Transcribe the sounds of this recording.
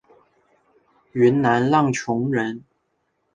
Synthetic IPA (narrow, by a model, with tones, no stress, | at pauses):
y˧˥nna˧˥nlɑ˥˩ŋt͡ɕʰʊ˧˥ŋɻə˧˥n